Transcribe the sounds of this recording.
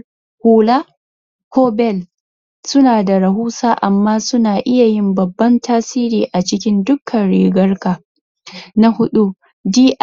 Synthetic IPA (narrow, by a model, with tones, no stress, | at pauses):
huː˨la˦ | koː˦bɛ˦˨l | sʊ˦naː˨da˨ɾɐ˨ɦuː˦saː˦ʔa˨mːaː˦sʊ˦naː˨ʔɪ˦ja˨jɪ˦mbɐ˨bːɐ˦ntʰaː˦siː˦ɾiː˨ʔa˨t͡ʃɪ˦kʲɪ˦ndʊ˦kʰːɐ˨nɽḭː˨ɡɐ˦rkaː˨ | na˦hʊ˦ɗu˦ | diː˦ʔ